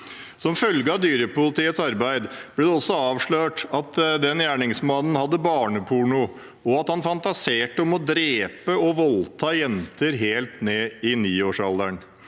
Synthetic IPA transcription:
sɔmfœlɡəɑd̪yːɾəpʊlɪt̪ʰiːət̪sɑɾbæɪd̪b̥lɛd̪ɛɔsɔɑːʋʂɭøːʈɑt̪d̪ɛnjæːɳɪŋsmɑnn̩hɑd̪ːəbɑːɳəpʰʊɳʊ | ɔɑt̪hɑnfɑnt̪ɑseːʈəɔmɔd̪ɾeːpəɔʋɔlt̪ʰɑːjɛnt̪əɾɦeːlt̪neːɪniːoːʂɑld̪æɳ

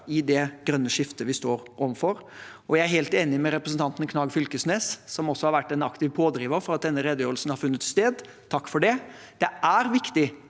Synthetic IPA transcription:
ɪd̪ɛɡ̥ɾœnːəʂɪft̪əʋɪst̪oːɾʔɔʋənfɔɾɔjæɪæɾɦeːlt̪eːnɪmɛɾɛpɾəsn̩t̪ɑnt̪nkʰnɑːɡfʏlkəsneːssɔmɔsːɔhɑɾʋæʈːɛnɑkt̪ɪʋpʰoːd̪ɾiːʋəɾfɔɾɑt̪̚d̪ɛnːəɾɛd̪əjøːɾəlsnhɑɾfʉnːət̪st̪eːd̪ | t̪ʰɑkːfɔɖɛ | d̪̥ɛæɾʋɪkt̪ɪ

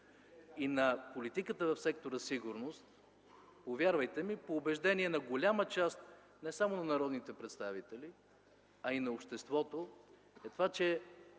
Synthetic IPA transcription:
inɐpolit̪ikət̪əvɐfsɛk̚t̪oɾəsiɡʊɾnost̪ | povʲjaɾvəjt̪ɛmipoːbɛʒd̪ɛniɛnɐɡolʲamət͡ʃast̪ | nɛsamonɐnɐɾɔd̪nit̪ɛpɾɛt̪st̪avit̪ɛli | ɐinɐopʃt̪ɛst̪vɔt̪o | ɛt̪ovat͡ʃɛ

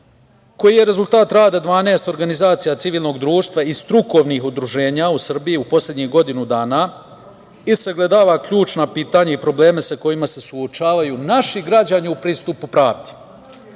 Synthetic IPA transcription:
ko̞jije̞ɾe̞zulˠt̪aːt̪ɾaːd̪ad̪ʋaːne̞ːst̪o̞ɾɡanizaːt̪sijat̪iʋiːlˠno̞ɡd̪ɾuːʃt̪ʋaist̪ɾuko̞ʋnixud̪ɾuʒe̞ːɲausr̩bijiupo̞slʎʲed̪ɲiːhɡo̞d̪inud̪aːna | iseɡled̪aːʋakʎuːt͡ʃnapiːt̪aɲaipɾo̞ble̞ːme̞sako̞jimase̞suo̞t͡ʃaːʋajunaʃiɡɾad͡ʑaɲiupɾiːst̪upupɾaːʋd̪e̥

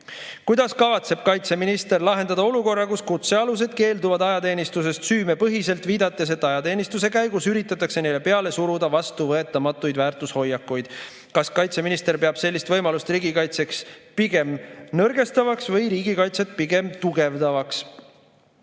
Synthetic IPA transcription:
kujd̪̥ɑskɑvɑt̪se̞b̥̚kɑjt̪se̞minist̪erlɑɦe̞nd̪ɑd̪ɑo̞luko̞rːɑkuskut̪se̞ɑlus̬e̞d̪̥ke̞ːld̪uvɑd̪ɑjɑt̪e̞ːnist̪us̬e̞st̪syːme̞pɤɦise̞lt̪viːd̪̥ɑt̪ˑːe̞s̬e̞t̪ːˑɑjɑt̪e̞ːnist̪us̬e̞kæjɡ̥usyɾit̪ːˑɑt̪ːˑɑkse̞ne̞jle̞pe̞ɑle̞suɾud̪̥ɑvɑst̪uvɤe̞t̪ːˑɑmɑt̪ːˑujd̪væːrt̪ˑusho̞jːɑkːujd̪̥ | kɑskɑjt̪se̞minist̪e̞ɾpeɑb̥se̞lʲːist̪vɤjmɑlust̪riːɡikɑjt̪se̞kspiɡe̞mnɤrɡ̥e̞st̪ɑvɑksvɤjɾiːɡ̥ikɑjt̪se̞t̪̚piɡ̥e̞mt̪uɡ̥e̞vd̪ɑvɑks

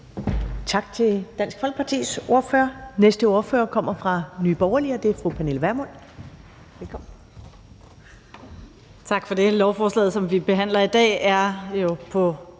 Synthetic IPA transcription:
t͡sʰɑ̈ɡ̥t͡sʰe̝d̥æn̰sɡ̥fɒlɡ̥̚pʰɑ̈t͡sʰḭːsʔo̝ɐføːɐnesd̥əo̝ɐfø̰ːɐkʰɒ̽m̰ɐfʁɑ̈nyːb̥ɒʊɐliɒd̥e̝æɐfʁupʰæne̝lʋæɐmon̰ | ʋelkʰɒ̽m̰n̩ | t͡sʰɑ̈ɡ̥fɒ̽d̥e̝lɒʊfɒːslɛ̰ːðˠsɒ̽mʋib̥e̝ɦæn̰lɐid̥ɛ̰ːæɐjo̝pʰɒ̽

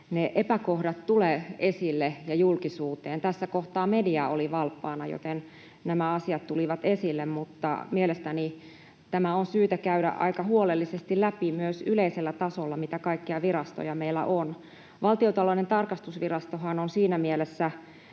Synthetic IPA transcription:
neʔepækohdɑt̪t̪uleːesilːejɑjulkisuːt̪eːnt̪æsːækoht̪ɑːmediɑoliʋɑlpːɑːnɑjo̰t̪en | næmæɑsiɑt̪t̪uliʋɑt̪esilːemmut̪ːɑ̰mielest̪æni | t̪æmæonsyːt̪ækæyɾæ̰ʔʔɑ̰ikɑhuolelːisest̪illæpimyøsyleiselːæt̪ɑsolːɑmit̪ækɑikːiɑʋirɑst̪o̰jɑmeilːæ̰ʔon | ʋɑlt̪iot̪ɑloinent̪ɑrkɑst̪usʋirɑst̪oɦɑnonsiːnæmielesːæ

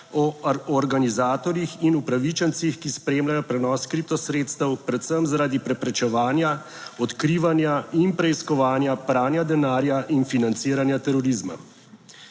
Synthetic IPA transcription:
ɔɔɾɡanizaːt̪ɔɾjixinupɾaʋit͡ʃɛnt̪sixkispɾeːmlajɔpɾɛnɔːskɾip̚t̪ɔsɾeːt̪st̪əwpɾɛt̪səmzaɾaːd̪ipɾɛpɾɛt͡ʃɛʋaːnja | ɔt̪kɾiːʋanjainpɾɛiskɔʋaːnjapɾaːnjad̪ɛnaːɾjaʔinfinant̪siːɾanjat̪ɛɾɔɾizma̰

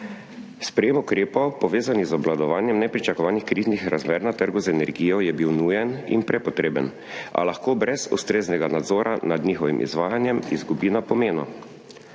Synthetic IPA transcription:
spɾɛjeːmukɾeːpɔwpɔʋeːzanizɔblad̪ɔʋaːnjɛmnɛpɾit͡ʃakɔʋaːnixkɾiːznixɾazmeːɾnat̪əɾɡuzɛnɛɾɡiːjɔjɛbiwnuːjɛnḭnpɾɛpɔt̪ɾeːbə̰n | a̰laxkoːbɾɛzṵst̪ɾeːznɛɡanad̪zɔːɾʔanad̪niːxɔʋḭmʔḭzʋaːjanjɛmizɡubinapɔmeːnɔ̰

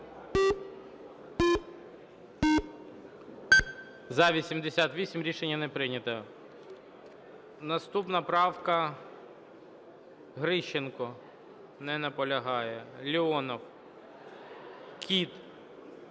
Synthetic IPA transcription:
zɐʋʲisʲimd̪esʲat̪ʋʲisʲimɾʲiʃenʲːɐnɛpɾɪnʲɐt̪ɐ | nɐst̪upnɐpɾɑwkɐ | ɦɾɪʃːenkɔ | nɛnɐpɔlʲɐɦɑjɛlʲiɔnɐw | kʲʰit̪

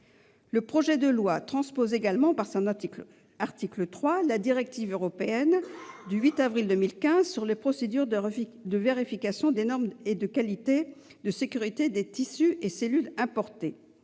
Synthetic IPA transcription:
ləpχɔʒɛd̪əlwat̪χɑ̃spozeɡalmɑ̃paʁsɔ̃n | aʁt̪iklət̪χwalad̪iʁɛk̚t̪ivøʁɔpeɛnd̪yɥit̪avʁild̪əmilkʲɛ̃zsyʁlepχɔsed̪yʁd̪əveʁifikasjɔ̃d̪enɔʁmed̪əkalit̪e | d̪əsekʲyʁit̪ed̪et̪isyʔeselylɛ̃pɔʁt̪e

